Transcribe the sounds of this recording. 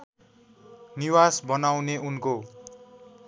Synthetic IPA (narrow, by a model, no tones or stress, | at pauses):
niwasbʌnawneunko